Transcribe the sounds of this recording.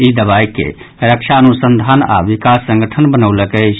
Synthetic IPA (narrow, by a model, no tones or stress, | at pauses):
id̪əβaikḛ | ɾəkt͡ʃʰaənusənd̪ʱana̰ʋikasːə̃ŋɡəʈʰənbənəwləkəɪt͡ʃʰ